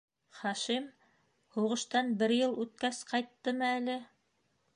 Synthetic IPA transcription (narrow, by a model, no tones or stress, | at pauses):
χɑʃim | huʁɤ̆ʃt̪ɑnbɘɾjɤlˠʉt̪̚kæsqɑjt̪ːɤmɤælɘ